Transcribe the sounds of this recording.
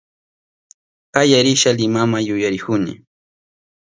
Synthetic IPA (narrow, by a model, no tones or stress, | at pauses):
qajaɾɪʃalɪmamajʊjaɾɪkʊnɪ̰